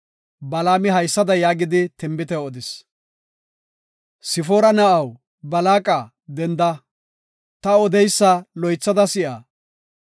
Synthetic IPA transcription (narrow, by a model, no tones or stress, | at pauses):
bɐlaːmɪɦɐjsːɐd̪ɐjaːɡɪd̪ɪt̪ɪmbɪt̪ɛwɔd̪ɪs | sɪfoːɾɐnɐʔɐw | bɐlaːkʼa | d̪ɛnd̪ɐ | t̪ɐɔd̪ɛjsːɐlɔjt͡sːɐd̪ɐsɪʔaː